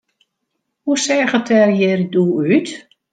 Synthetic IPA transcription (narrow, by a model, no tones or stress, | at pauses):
husɛɣətʰɛrjɛriduyt